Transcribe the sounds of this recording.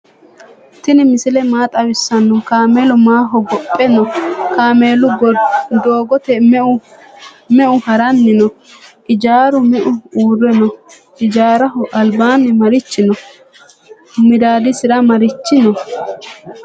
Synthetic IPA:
t̪ɪnɪmɪsɪlɛmaːt̪ʼɐwɪsːɐnːʊkaːmeːlɔmaːɦɔɡɔpʼːɛnɔkaːmeːlʊɡd̪oːɡɔt̪ɛʊ | mɛʔʊhɐɾɐnːɪnɔ | ʔɪd͡ʒaːɾʊmɛʔʊuːrːɛnɔ | ʔɪd͡ʒaːɾɐɦʊʔɐlbaːnːɛmɐɾɪt͡ʃːɪnɔ | mɪd̪aːd̪ɪsɪɾɐmɐɾɪt͡ʃːɪnɔ

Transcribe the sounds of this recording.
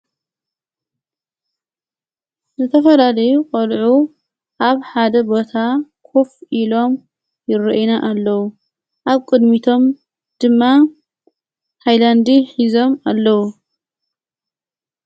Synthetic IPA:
zɨt̪ʰɐfɐlalɐjukʼɐlʕu | ʔaβħad̪ɐbot̪ʰakʰo̞fʔilo̞m | jɪrɨʔjnaʔalːɐwu | ʔaβkʼɨd̪mit̪ʰo̞m | d̪̥ɨmːa | hʰajland̪iħizo̞malːɐwu

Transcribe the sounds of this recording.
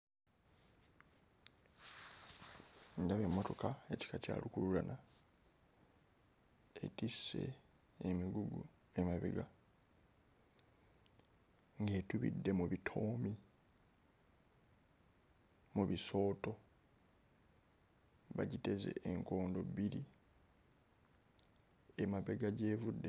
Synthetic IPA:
ndaβemːo̞to̞kae̞ci̥kaca̰ːlukulula̰na | ḛtisːe̞̰ː | miɡuɡṵ | emaβiɡa | ŋɡe̞ːtuβḭdːe̞muβitʰo̞ːmi | muβiso̞ːto̞ | βaɟite̞ze̞̰ːŋko̞ːndo̞biɾi | emaβe̞ɡaɟe̞ːvudːe̞

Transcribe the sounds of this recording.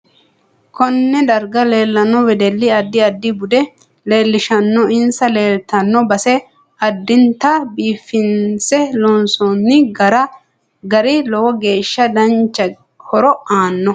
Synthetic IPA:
kʰɔnːɛd̪ɐɾɡɐleːlːɐnːɔwɛd̪ɛlːɪɐd̪ːɪɐd̪ːɪbʊd̪ɛ | le̞ːlːɪʃɐnːɔɪnsɐleːlt̪ɐnːɔbɐsɛ | ɐd̪ːɪnt̪ɐbiːfːɪnsɛlɔːnsɔnːɪɡɐɾɐ | ɡɐɾɪlɔwɔɡe̞ːʃːɐd̪ɐnt͡ʃːɐ | kʰɔɾɔʔaːnːɔ

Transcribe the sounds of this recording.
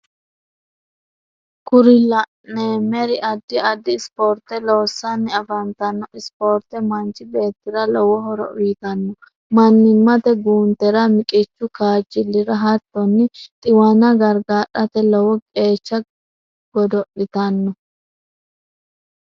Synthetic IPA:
kʊɾɪlɐʔnemɛɾɪʔɐd̪ːɪɐd̪ːɪːspoːɾt̪ɛloːsːɐnːɪɐfɐnt̪ɐnːɔɪspoːɾt̪ɛmɐnt͡ʃʼɪbe̞ːt̪ːɪɾɐlɔwɔɦɔɾɔ̰ʔʊjɪt̪ɐnːɔ | mɐnːɪmːɐt̪ɛɡuːnt̪ːɛɾɐmɪkʼɪt͡ʃːʊkaːd͡ʒːɪlːɪɾɐɦɐt̪ːɔnːɪt̪ʼɪwɐnɐɡɐɾɡaːɗɐt̪ɛlɔwɔkʼe̞ːt͡ʃːɐ | ɡ̥ɔd̪ɔʔɪt̪ɐnːɔ

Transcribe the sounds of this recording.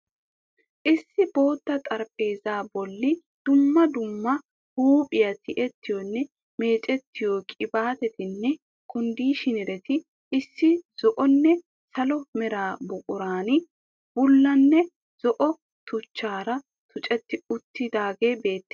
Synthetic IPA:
ʔɪsːɪb̥o̞ːt̪ːɐt̪ʼɐɾpʼe̞ːzaːbɔlːɪ | d̪̥ʊmːɐd̪ʊmːɐ | huːpʼɪjɐt̪ʰɪʔɛt̪ːɪjɔnːɛ | me̞ːt͡ʃʼɛt̪ːɪjɔkʼɪbaːt̪ɛt̪ɪnːɛ | kʰʊnd̪iːʃɪnɪɾɛt̪ɪ | ɪsːɪz̥ɔʔɔnːɛ | sɐlɔmɛɾaːbʊkʼʊɾaːnɪ | b̥ʊlːɐnːɛ | z̥ɔʔɔ | t̪ʊt͡ʃːaːɾɐ | t̪ʰʊt͡ʃʼɛt̪ːɪʊt̪ːɪd̪aːɡeːbe̞ːt̪ːe̥

